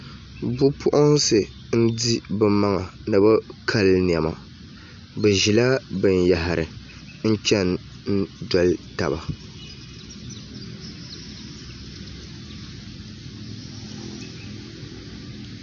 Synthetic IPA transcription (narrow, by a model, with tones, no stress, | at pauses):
bu˦pʰʊ˦ʔʊ˦nsɨ˨ | n̩˦di˦bɨ˦ma˦ŋa˨nɨ˨bɨ˦kʰa˦lni˨a˨ma̰˨ | bɛ˨ʒi˨la˦bɨ˨n˨ja˨ɦɪ˨ɾʔɨ˨ | ŋ̩˦t͡ʃɛ˦n | n̩˦dɔ˦lta˨ba˨